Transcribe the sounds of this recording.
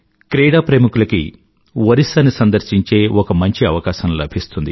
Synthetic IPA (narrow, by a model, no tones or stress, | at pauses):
kɾeːɽaːpɾemukulɐkḭ | ʋɐɾisɐːnisɐnd̪ɐɾʃiɲt͡ʃe̞ːʔɔkɐmɐɲt͡ʃiɐʋɐkaːʃɐnlɐ̰bʱist̪und̪ḭ